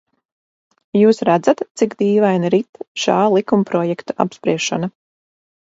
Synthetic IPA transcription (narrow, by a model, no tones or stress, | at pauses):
juːsɾæd̪zat̪t̪sikd̪iːvajnɾit̪ʃaːlˠikumpɾɔjɛkt̪uʔa̰pspɾiɛʃana